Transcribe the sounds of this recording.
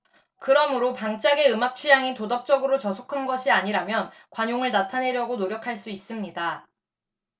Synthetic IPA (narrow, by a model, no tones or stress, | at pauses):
kɯɾʌmɯɾopaŋt͡ɕ͈aɡe̞ɯmak̚t͡ɕʰujaŋitodʌp̚t͡ɕ͈ʌɡɯɾot͡ɕʌsʰokʰanɡʌɕʰiaɲiɾamjʌn | kwaɲoŋɯɭnatʰane̞ɾjʌɡonoɾjʌkʰaɭs͈uis͈ɯmɲida